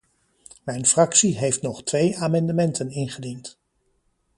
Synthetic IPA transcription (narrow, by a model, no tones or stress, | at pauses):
mɛjnfrɑksiɦejftnɔχtʋejaːmɑndəmɛntʰənɪnχədint